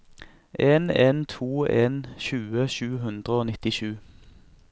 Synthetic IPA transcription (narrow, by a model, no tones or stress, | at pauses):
ʔeːneːnt̪ʰuːeːnʃʉːəʃʉːɦʉnd̪ʁəoːnɪt̪ɪʃʉː